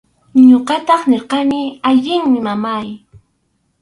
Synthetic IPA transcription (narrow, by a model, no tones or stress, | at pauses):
ɲoqɑt̪ɑχnɪɾqɑnɪaʎɪŋmɪmamaj